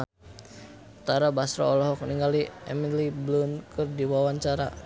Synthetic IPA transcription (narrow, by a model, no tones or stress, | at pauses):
t̪aɾabasɾa̰ɔlɔɦɔk̚niŋɡaliɛmiliblunkɨrdiwawaɲt͡ʃaɾa̰